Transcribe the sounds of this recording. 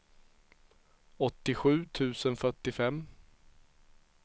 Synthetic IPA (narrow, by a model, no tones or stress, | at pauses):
ɔt̪ːɪɧʉ̟ːt̪ʰʉ̟ːsənfœʈːɪfɛmː